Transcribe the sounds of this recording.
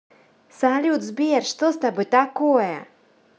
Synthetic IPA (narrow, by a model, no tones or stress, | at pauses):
salʲut̪zbʲerʂt̪ost̪abɨt̪akojə̰